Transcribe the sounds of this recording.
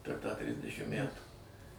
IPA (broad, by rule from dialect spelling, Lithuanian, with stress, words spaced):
pʲɛr tɑː ˈtʲrʲɪzʲdʲɛʃʲɪm ˈmʲætuː